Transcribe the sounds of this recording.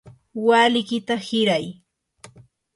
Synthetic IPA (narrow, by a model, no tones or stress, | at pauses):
walɪkɪt̪ahɪɾaj